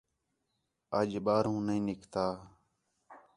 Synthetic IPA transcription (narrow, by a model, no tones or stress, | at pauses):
əd͡ʒɓaːɾɦũːnəĩːnɪkʰt̪aː